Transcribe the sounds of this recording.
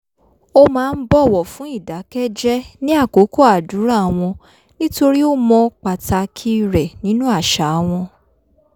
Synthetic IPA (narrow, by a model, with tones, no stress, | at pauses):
o˦mãː˦˧n̩˦bɔ˦˨wɔ˨fũ˨˦i˦˨da˨˦kɛ˦d͡ʒɛ˦nĩ˦a˦˨ko˨˦ko˦a˨du˨˦ɾa˦˨a˨w̃ɔ̃˧ | nĩ˦to˧ɾi˦o˦mɔ̃˧k͡pa˨ta˧kʰi˦˨ɾɛ˨nĩ˨˦nũ˦a˦˨ʃa˨˦˧w̃ɔ̃˧